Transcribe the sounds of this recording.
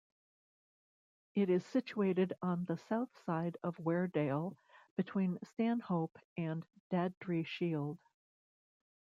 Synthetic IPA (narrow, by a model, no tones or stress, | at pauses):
ɪɾɨz̥sɪt͡ʃueɪɾɨɾn̩ðəsaʊθsaɪɾʌvwɛɹdeɪlˠ | b̥ɨtʰw̥ĩnstæ̃nhoʊpɨ̃nd̥ædɹiʃilˠd̥